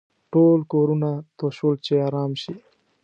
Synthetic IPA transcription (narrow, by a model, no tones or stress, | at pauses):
ʈolkoɾunat̪oʃult͡ʃeɑɾɑːmʃi